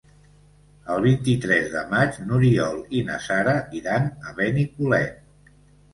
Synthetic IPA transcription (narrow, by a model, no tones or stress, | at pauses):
əlˠβ̞int̪it̪ɾɛzðə̰mat͡ʃnuɾiɔlˠinə̰saɾəʔiɾanəβɛnikulɛ